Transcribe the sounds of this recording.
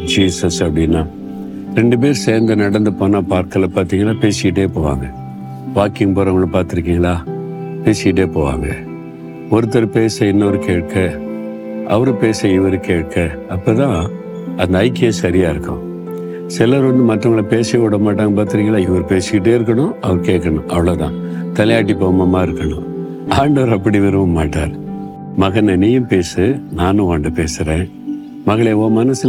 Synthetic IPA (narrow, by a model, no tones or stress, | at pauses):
d͡ʒiːsɐsɐpːɐɽɪnːaː | ɾɛɳɖɯp̬eːɾseːɾnd̪ɐnɐɽɐnd̪ɯpoːnːaːpaːɾkɐlːɐpaːɾt̪iːŋɡɐɭaːpeːsɪkɪʈːeːpoːʋa̰ːŋɡɐ | ʋaːkɪŋɡpoːɾɐŋɡɐɭːɐpaːɾt̪ɪɾɯk̬ːiːŋɡɐɭaː | peːsɪkɪʈ̬ːeːpoːʋa̰ːŋɡɐ̰ | ɔɾɯt̪̬ːɐɾɯpeːsɐɪnːɐʋɐɾɯkeːʈ̚kɐ | ʔɐʋɐɾɯpeːsɐɪʋɐɾɯkeːʈ̚kːɐ | ɐpːɐːt̪ãː | ɐnd̪ɐːɪkːɪjɐsɐɾɪjaːɪɾɯkːʊ̰̃ | sɪlɐɾʋɐnd̪ɯmɐʈrɐŋɡɐɭɐpeːsɐjɐkɔɽɐmaːʈ̬ːaːŋɡɐpaːɾt̪ɪɾɪŋɡɐɭaːɪʋɐɾɯpeːsɯkɪʈːeːɪɾɯk̬ːɐɳʊ̃ɐʋɐɾɯkeːʈkːɐɳʊ̃ʔɐʋɐɭoːt̪ã̰ː | t̪ɐlɐjaːʈ̬ːipoːɐmɐmaːɪɾɯkːɐɳʊ̰̃ | aːɳɖɐʋɐɾɐpːɐɽiʋɐɾɯʋɐmaːʈːa̰ːɾ | mɐɣɐnɐnijɐ̃mpeːsɯnaːnɯ̃ʋaːɳɖɯpeːsɯɾẽː | mɐɣɐɭeoːmɐnɐsɯ